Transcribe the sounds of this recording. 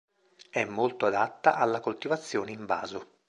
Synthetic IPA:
ɛmːolt̪oad̪at̪ːaʔalːakolt̪ivat̪sːjoːneiɱba̰ːzo

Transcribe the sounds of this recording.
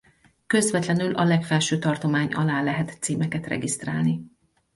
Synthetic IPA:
kø̞zvɛt̪lɛnylʔɒlɛkfɛlʃøːt̪ɒrt̪o̞maːɲɒ̰laːlɛɦɛt̪siːmɛkɛt̪rɛ̰ɡist̪raːlni

